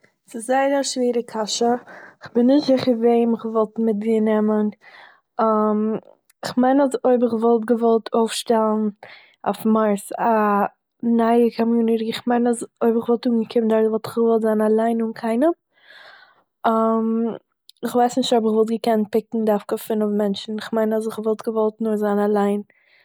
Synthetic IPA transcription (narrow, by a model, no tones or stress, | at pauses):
sɪzaɪəɾəʃviːɾəkʰaʃəɪχbɪnːɪʃtzɪχəveɪmɪχvɔlˠtmɪt̚dinɛmən | am | ɪχmaɪnazoɪbɪχvɔlˠtɡəvɔlˠtʰoʊfʃtɛlˠn̩ | a̰fmaɾsa | naɪəkʰɔmjuːnɪɾɪɪχmaɪnazoɪbɪχvɔlˠtuːŋɡəkʰɪmndaɾvɔlˠtɪχɡəvɔlˠtzanalˠaɪnʊnkʰaɪnəm | am | ɪχvaɪsnɪʃtɔbɪχvɔlˠt̚ɡəkɛnt̚pɪkŋ̩daɾfkəfɪnɔfmɛnt͡ʃn̩ɪχmaɪnaz̬ɪχvɔlˠtɡəvɔlˠtnʊɾzanalˠaɪn